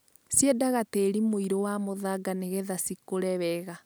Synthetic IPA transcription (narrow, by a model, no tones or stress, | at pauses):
sjedaɣateːɾimoiɾowamoðaɡaneɣɛðasikoɾɛβɛɣa